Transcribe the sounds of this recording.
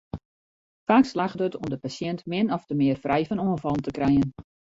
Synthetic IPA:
faːkslaxdətɔmdəpasjɛntmɪnɔftəmɪːərfrʔɛjfɔnuənfɑlˠntəkrɛjən

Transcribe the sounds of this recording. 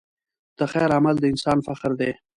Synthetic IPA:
d̪̥əxɛjɾamald̪əɪnsɑːnfaqɾd̪e

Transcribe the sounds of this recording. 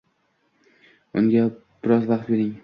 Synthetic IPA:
ʊŋɡʲab̥ɪɾɒzvaqt̪̚beɾɪŋ

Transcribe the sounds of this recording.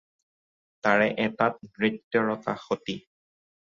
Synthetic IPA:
taɹɛʔɛtat̚dɹitjɔɹɔta̰xoti

